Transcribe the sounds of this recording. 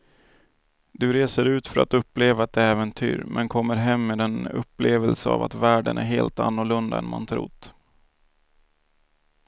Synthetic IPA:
d̪ɵɾeːsəɾʉ̟ːt̪fœɾat̪ɵpːleːvaːt̪̚d̪ɛɛːvənt̪ʰy̰ːɾmʔɛnkʰɔmːəɾɦɛmːeːd̪ɛnɵ̰pːleːvəlsəa̰vat̪væːɖənʔæɾɦeːlt̪a̰nːʊɭɵnd̪aɛnmant̪ʰɾṵːt̪

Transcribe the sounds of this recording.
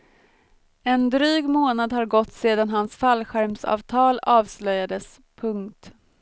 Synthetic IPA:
ɛnd̪ɾyːɡmoːnad̪haɾɡɔt̪ːseːd̪anɦansfalɧæɾmsɑ̰ːvt̪ʰɑːlɑːvslœjːad̪əs | pʰɵŋkt̪

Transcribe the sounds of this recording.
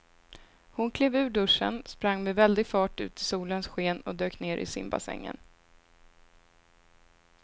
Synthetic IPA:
hʊnkʰleːvʉ̟ːɖɵʂə̰nspɾaŋːmɛvɛld̪ɪɡfɑːʈʉ̟ːt̪ʰɪsuːlənsɧeːnɔd̪øːkneːɾʔɪ̰sɪ̰mba̰sɛ̰ŋːə̰n

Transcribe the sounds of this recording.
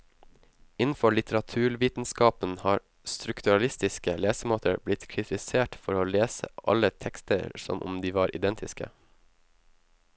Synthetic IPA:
ʔɪnn̩fɔɭɪt̪ʰəɾɑt̪ʰʉːɾʋiːt̪n̩skɑːpən̩hɑːɾ | st̪ɾʉkt̪ʉɑlɪst̪ɪskəleːsəmoːt̪ʰə̰ɾblɪt̪kʰɾɪt̪ʰɪseːʈfɔɾoːleːsə̰ʔɑ̰lət̪ʰɛkst̪ə̰ɾsɔ̰mʔʊ̰md̪iːʋɑːɾʔɪ̰d̪ɛnt̪ʰɪskə̰

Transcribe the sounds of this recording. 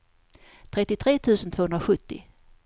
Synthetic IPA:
t̪ʰɾɛt̪ːɪt̪ʰɾeːt̪ʰʉ̟ːsənt̪ʰvoːɵnɾaɧɵt̪ːɪ̰

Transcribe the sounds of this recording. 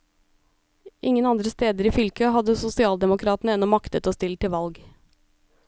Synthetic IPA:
ʔɪŋənɑnd̪ɾəst̪eːd̪əɾiːfʏlkʰəhɑd̪əsʊsɪɑːld̪ɛmʊkʰɾɑːt̪n̩əɛnɔmɑkt̪ət̪oːst̪ɪlt̪ʰɪʋɑlɡ

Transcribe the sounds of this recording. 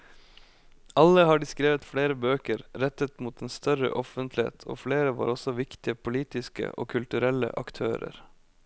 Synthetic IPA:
ʔɑləhɑːɖɪskɾeːʋət̪fɽeːɾəbøːkəɾɾɛt̪ət̪muːt̪eːnst̪œɾə̰ʔɔfənt̪lɪḛːt̪ʰo̰ːfɽeːɾəʋɑ̰ːɾɔsɔʋɪkt̪ɪəpʰʊliːt̪ɪskə̰ʔo̰ːkʰʉlt̪ʉɾɛlə̰ʔɑkt̪ʰøːɾə̰ɾ

